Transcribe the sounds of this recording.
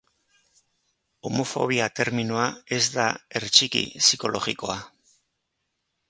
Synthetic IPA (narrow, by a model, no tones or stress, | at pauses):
o̞mo̞fo̞̰β̞iat̪e̞ɾminoae̞zd̪ae̞ɾt͡ʃikḭsiko̞lʔo̞ɣiko̞a